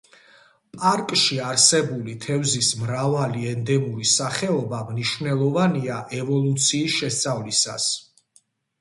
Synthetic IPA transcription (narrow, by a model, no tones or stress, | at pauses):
pʼaɾkʼʃiaɾsɛbulit̪ʰɛvzismɾavaliɛnd̪ɛmuɾisaχɛɔbamniʃvnɛlˠɔvaniaʔɛvɔlˠut̪sʰiːsʃɛst̪sʼavlisa̰s